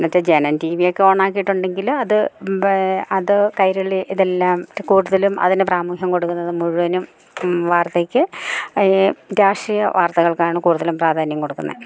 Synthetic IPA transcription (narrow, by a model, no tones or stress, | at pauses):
nɐtːɐd͡ʑenɐntiːʋijokʲːeo̞ːɳaːk̬ːijiʈːuɳɖe̞ŋɡilɐðɨ | ɐðɨkɐjɾɐɭiʔiðe̞lːaːmtːkuːɽuðɐlumɐ̰ðinɨpraːmukʰjɐmko̞ɽukːunːɐðɨmuɻuʋɐnum | ʋaːrt̪ekʲːɨ | daːʂrijɐ̰ʋʔaːrt̪ɐɣɐɭkaːɳɨkuːɽuðɐlumpraːd̪ʱaːnjɐmko̞ɽukːunːɐ̰